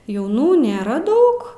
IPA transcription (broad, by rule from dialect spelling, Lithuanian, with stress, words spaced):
jɛʊˈnuː nʲeːˈrɐ ˈdɐʊk